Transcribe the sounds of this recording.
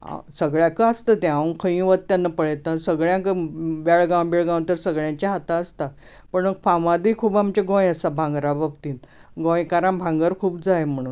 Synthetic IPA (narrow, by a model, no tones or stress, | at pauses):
a̰səɡɭjakəəst̪ət̪ɛ̃aə̃kʰə̃ĩʋət̪̚t̪janːapəɭet̪əsəɡɭjãkʋaɭɡãw̃beɭɡãw̃t̪əɾsəɡɭjãɲt͡ɕaɦat̪aəst̪a | pəɳməkfãʋãd̪ikʰuːbamt͡ɕeɡõjəsabʱãŋɡɾababt̪iːn | ɡõjkaɾãɳbʱãŋɡəɾkʰuːpd͡zajm̤əɽ̃uːn